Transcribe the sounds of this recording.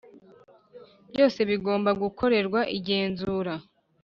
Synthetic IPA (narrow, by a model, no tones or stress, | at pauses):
bɟo̞ːse̞βiɡo̞ːmbaɡukʰo̞ɾe̞ɾɡwaʔiɟe̞ːnzuɾa